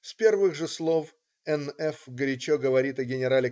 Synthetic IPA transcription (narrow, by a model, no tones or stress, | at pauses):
spʲe̞rvɨɣʐɨslˠo̞f | ɛnɛfɡəɾʲɪt͡ɕoɡəvɐɾʲit̪ɐɡʲɪnʲɪɾalʲɪ